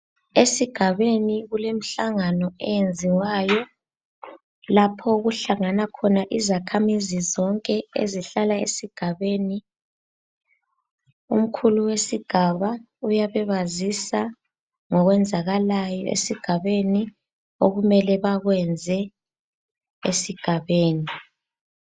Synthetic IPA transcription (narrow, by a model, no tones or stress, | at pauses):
esiɡ̥ʱaβeniɣulem̩ɬaŋanɔɛjend͡zʱiwaːjɔ | lapʰɔɣuɬaŋanakʰɔnaʔizakʰamizizɔŋkʼɛḛziɬalaḛsiɡ̥ʱaβeːni | um̩kʰuluwesiɡ̥ʱaβa | ujaβɛβazisa | ŋɔɣwɛnd͡zʱaɣalajɔ̰ḛsiɡ̥ʱaβeni | oɣumɛlɛβaɣwɛnd͡zʱɛ | ḛsiɡ̥ʱaβeːni